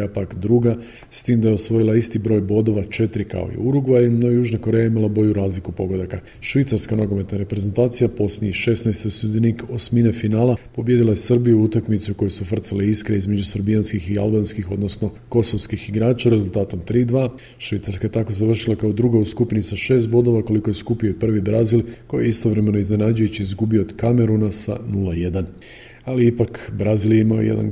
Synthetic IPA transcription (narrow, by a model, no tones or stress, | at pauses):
apakd̪ɾuɡa | st̪iːmd̪ajeo̞sʋo̞jilˠaist̪ibɾo̞ːjbo̞d̪o̞ʋat͡ʃe̞t̪ɾika̰o̞̰ḭuɾuɡʋaɾinojuːʒnako̞ɾe̞jaimalˠabo̞ʎuɾaːzlikupo̞ɡod̪aka | ʃʋit̪saɾskamnoɡo̞me̞t̪naɾe̞pɾe̞ze̞nt̪aːt̪sijapo̞sniiʃe̞snajst̪osud̪iniko̞sminefinaːlapo̞bje̞d̪ilajesr̩bijuut̪akmit̪suko̞jusufr̩t̪saleiskɾeizme̞d͡ʑusɾbijanskixialˠbanskixo̞d̪no̞sno̞ko̞so̞skixiɡɾaːt͡ʃaɾe̞zulˠt̪aːt̪o̞mt̪ɾiːd̪ʋaː | ʃʋit̪saɾskajet̪ako̞zaʋr̩ʃilˠakaod̪ɾuɡauskupnisaʃe̞ːs̬t̪̚bo̞d̪o̞ʋako̞liko̞je̞skupioipr̩ʋibɾazilko̞j̰jeist̪o̞ʋɾe̞me̞no̞izne̞nad͡ʑujut͡ɕiizɡubio̞od̪kame̞ɾunasa̰nulaje̞d̪an | aliipakbɾaziljeimajo̰jed̪a̰n